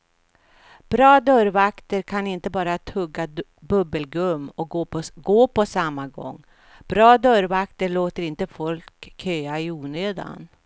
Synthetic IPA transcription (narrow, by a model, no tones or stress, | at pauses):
b̥ɾɑːd̪œɾvakt̪əɾkʰanɪnt̪əbɑːɾat̪ʰɵɡːa | bɵbəlɡɵmːɔɡoːpʰɔsamːaɡɔ̰ŋː | b̥ɾɑːd̪œɾvakt̪əɭoːt̪əɾɪnt̪əfɔlkʰːøːaɪuːnøːd̪a̰n